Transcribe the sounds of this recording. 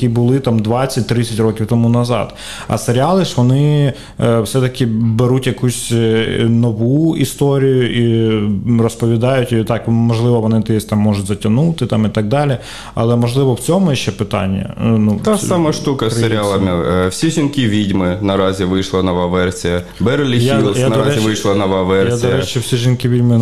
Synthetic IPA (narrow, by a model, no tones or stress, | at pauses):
ibʊlˠɪt̪ɑmd̪ʋɑt͡sʲːɐt̚ʲt̪ɾɪt͡sʲːɐtʲrɔkʲiwt̪ɔmunɐzɑ̰d̪ | ɐ̰seɾʲɪɑlˠɪʂʋɔnɪ | wsɛt̪ɐkʲɪbeɾutʲjɐkusʲ | nɔʋuist̪oɾʲijʊʔi | rɔspɔʋʲid̪ɑjʊtʲt̪ɑkmɔʒlˠɪʋɔʋɔnɪt̪ɪɛsʲt̪ɑmːɔʒʊtʲzɐtʲɐnut̪ɪt̪ɑmit̪ɑɡ̚d̪ɑlʲɪ | ɐ̰lˠɛmɔʒlˠɪʋɔwt͡sʲɔmʊjʃt͡ʃːɛpɪt̪ɑ̰nʲːɐ̰nut̪asamɐʂt̪ukɐsseɾʲɪalˠɐmʲɪfsʲiʒinkʲiʋʲidʲmɪnɐɾazʲɪʋɪjʂlˠɐnɔʋaʋɛrsʲɪjɐ | bɛɾlʲɪjailˠjanɐɐɾɛɪʋɪʃlˠɐnɔʋaʋɛrjsad̪ɔjɾɛt͡ʃɛwsʲiʒɪnkʲiʋʲidʲmɪ